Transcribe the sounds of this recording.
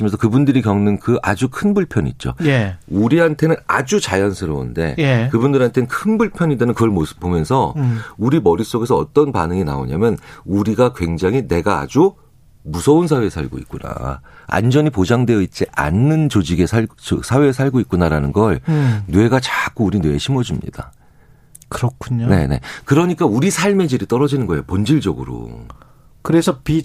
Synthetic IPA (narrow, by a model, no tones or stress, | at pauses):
imjʌnsʰʌkɯbundɯɾikjʌŋnɯnkɯʔad͡ʑukʰɯnbuɭpʰjʌnḭt̚t͡ɕ͈o̰jeuɾiɦantʰe̞nɯnad͡ʑut͡ɕajʌnsʰɯɾʌṵnde̞̰jekɯbundɯɾɦantʰeɯnkʰɯnbuɭpʰjʌɲidenɯnkɯɡʌɭmosʰɯ̥p̚p͈ːomjʌnsʰʌuɾimʌɾis͈oɡe̞sʰʌ̰ːt͈ʌnpanɯŋina̰o̰ɲa̰mjʌnuɾiɡakwe̞ŋd͡ʑaŋɦine̞ɡaa̰d͡ʑu | musʰʌunsʰawe̞ːsʰaɭɡo̰ḭt̚k͈una̰a̰nd͡ʑʌɲipod͡ʑaŋdwe̞jʌit͡ɕ͈iʔa̰nːɯnt͡ɕod͡ʑiɡe̞sʰa̰sʰawe̞ːs̬ʰaɭɡoik͈̚unaɾanɯnɡʌɭnwe̞ɡat͡ɕak͈uːɾinwe̞ːɕʰimʌd͡ʑumɲḭd̥a̰ | kɯɾʌkʰuɲone̞ne̞̰kɯɾʌɲik͈auɾisʰaɭme̞d͡ʑiɾit͈ʌɾʌd͡ʑinɯnɡʌejopond͡ʑiɭd͡ʑʌɡɯɾo̰ | kɯɾesʰʌpi